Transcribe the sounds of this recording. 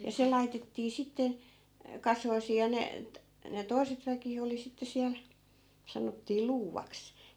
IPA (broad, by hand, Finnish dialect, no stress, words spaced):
jɑ se lɑitetːiː sitːe kɑsoisiː jɑ ne t ne toi̯set ʋæki oli sitːe siæl sɑnotːiː luːʋɑks